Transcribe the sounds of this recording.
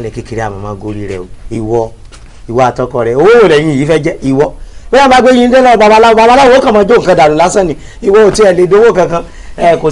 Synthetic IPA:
lɛ˨ki˨˦ki˧ɾi˦a̰˨mɔ̰̃˨˧mãː˦ɡo˦ɾi˦ɾɛ̰˨o̰˨i˨wɔ˧ | i˨wɔ˨˦a˨tɔ˦kɔ˧˨ɾɛ˧˨o˧wo˦wo˦˨lɛ̃˨ĩ˨˦˨iː˨˦fɛ˦d͡ʒɛ˦i˨wɔ̥˧˦ɛ˦a˦ba˨˦ɡ͡bẽ˦ĩ˦n̩˦e˦lɔ˦˨ba˧ba˧la˦o˧˦ba˧˦ba˦la˦o˦kã˦˨mãː˦d͡ʒo˦˨ŋ̩˨kã˧˦da˨ɾũ˨˦la˨˦sã˦˨nĩ˨ | i˨wɔ˧o˨ti˦ɛ˨le˨˧˦do˨˦wo˦˨kã˧kã˧ | ɛ˦˨ko˨

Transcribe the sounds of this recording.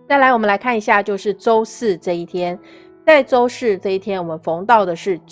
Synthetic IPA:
t͡sa˥˩ɪla˧˥ɪwɔ˨˩mə˦nla˧˥ɪkʰa˥˩ni˧˥ɕja˥˧t͡ɕjo˥˧ʊʂɻ̩˥˩ʈ͡ʂo˥ʊsɹ̩˥˧ʈ͡ʂɤ˥˧i˥˩t̪ʰjɛ˥n | t͡sa˥˩ɪʈ͡ʂo˥ʊʂɻ̩˥˧ʈ͡ʂɤ˥˧i˥˩t̪ʰjɛ˥nwɔ˨˩mə˦nfʊ˧˥ŋt̪ɑ˥˩ʊd̪ə˩ʂɻ̩˥˩

